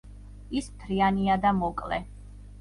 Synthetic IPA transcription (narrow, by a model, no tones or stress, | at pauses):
ismt̪ʰɾianiad̪amɔkʼlɛ̰